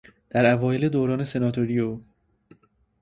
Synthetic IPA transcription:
d̪̥æɾævɒːjeled̪oːɾɒːne̞se̞nɒːt̪ʰoɾijo

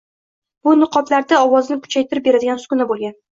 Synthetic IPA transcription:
b̥ʊnɨqʰɒt̪laɾd̪aɒwɒznɪkʰʊ̥t͡ʃʰajt̪ɪɾɪp̚be̞ɾad̪ɪɡʲansʊ̥kʊnabolˠɡʲan

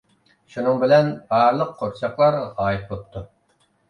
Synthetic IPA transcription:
ʃunɨŋbɪlɛnbɑːɾlˠəqːʰoɾt͡ʃʰɑqlˠɑɾʁɑʁɑːjɨt̪̚bot̪ʰːu

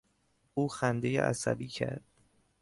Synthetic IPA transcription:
uːxænd̪e̞jḛʔæ̰sæ̰biːcʰæ̰ɾd̪̥

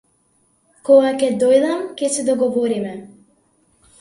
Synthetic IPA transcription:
kɔɡakʲɛd̪ɔjd̪amkʲɛsɛd̪ɔɡɔvɔɾimɛ

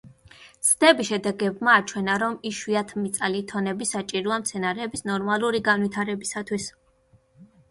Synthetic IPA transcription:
sd̪ɛbiʃɛd̪ɛɡɛbmaːt͡ʃʰwɛnaɾɔmiʃwiat̪ʰmit̪sʼalit̪ʰɔnɛbisat͡ʃʼiɾuamt̪sʰɛnaɾɛːbisnɔɾmalˠuɾiɡanwit̪ʰaɾɛbisat̪ʰwis

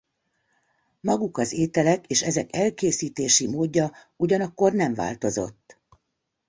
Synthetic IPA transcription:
mɒɡukɒzeːt̪ɛlɛkeːʃɛzɛkɛlkeːsiːt̪eːʃimoːɟːɒ | uɟɒnɒkːo̞rnɛɱva̰ːlt̪o̞zo̞̰t̪ː

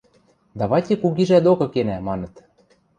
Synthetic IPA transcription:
d̪ɑβɑjt̪ʲĕkuɣiʒæd̪okɤ̆kenæmɑnɤ̆t̪

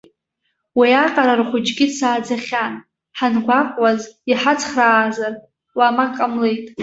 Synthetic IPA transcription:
wiaqʼaɾarχʷʊd͡ʒʼɡʲɪsʰaːd͡zaχʲan | ħanɡʷakʷʼwaziħat͡sʰʼχraːzar | wamakʼamlejtʼ

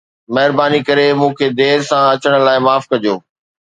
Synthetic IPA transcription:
mɐɦɪɾbaːnikɐɾemũːkʰeːd̪eːɾsãɐt͡ɕəɽ̃̆laːɪmaːfkɐd͡ʑoː

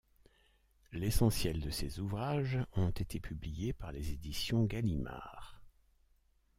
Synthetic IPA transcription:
lesɑ̃sjɛld̪əsezuvʁaʒɔ̃t̪et̪ʰepʰyblijepaʁlezed̪isjɔ̃ɡalima̰ʁ

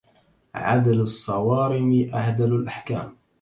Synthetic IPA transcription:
ʕa̰d̪alsˤːɑwɑːɾɪmɪʔahd̪alalʔaħka̰ːm

